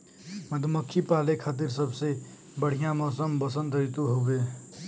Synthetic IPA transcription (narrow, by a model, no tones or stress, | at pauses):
məd̪ʱməkʰːipaːlekʰat̪̬iɾsəbʱse | bəɽ̤ijamɔsəmbəsənd̪ʱəit̪uɦobe